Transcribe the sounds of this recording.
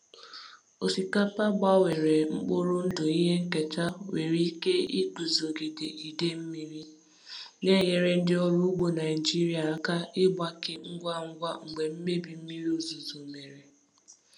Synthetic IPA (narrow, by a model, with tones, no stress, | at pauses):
o˨si˨ka˦pa˦ɡ͡ba˦we˨ɾe˨ŋ͡m̩˦k͡po˦ɾʊ˦n̩˦dʊ˨i˦ɦe˦ŋ̩˦ke˨ta˦we˨ɾi˦i˦ke˦i˦tu˨zo˨ɡe˨dḛ˨i˨de˦m̩˦mi˦ɾi˦ | ne˦je˨ɾe˦n̩˦dɪ˦o˦ɾu˦ɡ͡bo˨na˨ɪ˨d͡ʒi˦ɾja˨ɾa˨ka˦ɪ˦ɡ͡ba˦kɪ˦ŋ̩˦ɡʷa˦˨ŋ̩˦ɡʷa˦ŋ̩˨ɡ͡be˨m̩˦me˦bi˨m̩˦mi˦ɾi˦o˦zu˨zu˨me˨ɾe˨